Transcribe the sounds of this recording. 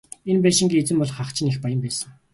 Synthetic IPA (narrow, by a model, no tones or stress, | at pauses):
enpæːʃɪ̆ŋɡʲiːet͡sɘ̆mpɔɮχaχt͡ɕʰɪ̆nexpajə̆mpæːsə̆ŋ